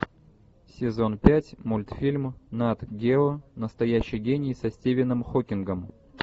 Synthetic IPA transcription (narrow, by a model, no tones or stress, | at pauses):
sʲɪzo̞npʲætʲmulʲt̪fʲilʲmnat̪ɡʲeonəst̪ɐjæɕːɪjɡʲenʲɪjsɐsʲtʲevʲɪnɨmxokʲɪnɡəm